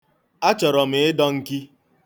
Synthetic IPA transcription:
a˦t͡ʃɔ˨ɾɔ˨m̩e˨˦ɪ˦dɔ˦ŋ̩˦ki˦

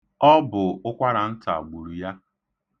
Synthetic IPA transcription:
ɔ˦bʊ˨ʊ˦kʷa˦ɾa˨n̩˦ta̰˨ɡ͡bu˨ɾu˨ja˦

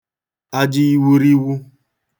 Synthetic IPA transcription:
a˦d͡ʒɪ˦i˦wu˦ɾi˦wu˦

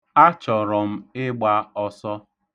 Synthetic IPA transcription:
a˦t͡ʃɔ˨ɾɔ˨m̩˦ɪ˦ɡ͡ba˦ɔ˦sɔ˦

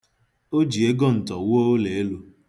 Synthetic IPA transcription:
o˦d͡ʒi˨e˦ɡɔ˦n̩˨tɔ˨woː˦le˨e˦lu˦

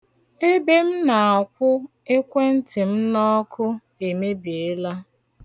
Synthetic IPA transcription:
e˦be˦m̩˦na˨a˨kʷʊ˦ | e˦kʷe˦n̩˦tɪ˨m̩˦nɔ˦kʰʊ˦ | e˨me˦bi˨e˦la˦

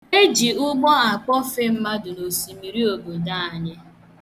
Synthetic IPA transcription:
e˦d͡ʒi˨ʊ˦ɡ͡bɔ˦a˨k͡pɔ˦fe˦m̩˦ma˦dʊ˨no˨si˨mi˨ɾi˦o˨ɡo˨da˦˨a˨ɲe˦

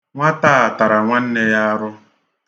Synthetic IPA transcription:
ŋʷa˦taː˦a˨ta˨ɾa˨ŋʷa˦n̩˦ne˦ja˦a˦ɾʊ˦

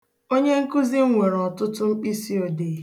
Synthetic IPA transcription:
o˦ɲe˦ŋ̩˦ku˦zi˦ŋʷe˨ɾɔ˨tʊ˦tʊ˦ŋ͡m̩˦k͡pi˦si˦o˨de˨

